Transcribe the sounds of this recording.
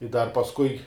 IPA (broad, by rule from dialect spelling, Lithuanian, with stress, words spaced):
ɪ dɐr pɐsˈkʊɪ